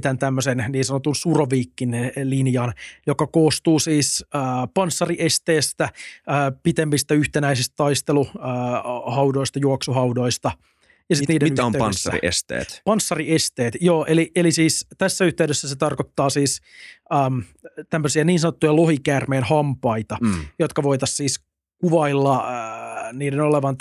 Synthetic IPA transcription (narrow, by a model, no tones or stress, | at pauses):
t̪ænt̪æmːøsenniːnsɑnot̪unsuroʋiːkːinːelinjɑnjokɑkoːst̪uːsiːsːpɑnsːɑriʔest̪eːst̪æː | pit̪emːist̪æyht̪enæisist̪t̪ɑist̪eluː | hɑwdo̞ist̪ɑjuɑksoɦɑudo̞ist̪ɑ | jɑsit̪niːdenyomeynsːæḭʔḛst̪ḛːt̪pɑnsːɑriest̪eːt̪jo̞ːʔeliʔelisiːst̪æsːæyht̪eyɥdøsːæset̪ɑrkot̪ːɑːsiːs | əːmt̪æmːøsiæniːnsɑnot̪ːujɑlo̞ɦikæːrmeːnhɑmpɑit̪ɑjot̪kɑʋo̞it̪ɑssiːs | kuʋɑilːɑ | niːdeno̞leʋɑn